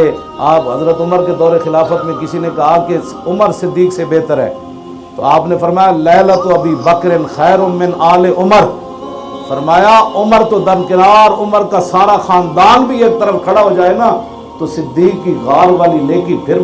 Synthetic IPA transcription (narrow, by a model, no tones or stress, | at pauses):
e | aːpɦɐzɾət̪ʊməɾked̪ɔːɾexɪlaːfət̪mẽkɪsinekɐɦake | ʊməɾsɪd̪ːiːksebeːt̪əɾɦɛ̰ː | t̪oaːpnefɐɾmaːjalɛːlət̪oɐbiːbɐkɾɪnxɛːɾʊmɪ̃naːleʔʊməɾ | fɐɾmaːjaʊməɾt̪od̪ɐnkɪnaːɾʊməɾkasaːɾaxaːnd̪aːnbʱieːk̚t̪əɾəfkʰɐɽaɦoːd͡ʒaːenaː | t̪osɪd̪ːiːkːiɣaːɾʋaːlileːkipʰɪɾ